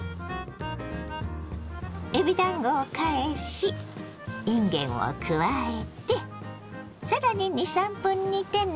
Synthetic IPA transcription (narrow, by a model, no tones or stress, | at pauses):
ebʲid̪ãŋɡoːkaeɕi | ĩŋɡẽ̞̰ɰ̰̃o̰kʰɯ̟βae̞t̪e̞ | saɾaɲ̟iɲisãmpɯ̟̃ɲ̟ːit̪ẽ̞n